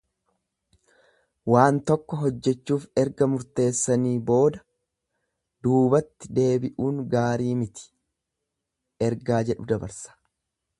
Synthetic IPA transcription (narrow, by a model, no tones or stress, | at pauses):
waːnt̪ɔkːɔɦɔd͡ʒːɛt͡ʃːuːfɛɾɡɐmʊɾt̪e̞ːsːɐniːbo̞ːd̪ɐ | d̪̥uːbɐt̪ːɪd̪e̞ːbɪʔuːŋɡaːɾiːmɪt̪ɪ̥ | ɛɾɡaːd͡ʒɛᶑʊd̪ɐbɐ̰ɾsɐ̥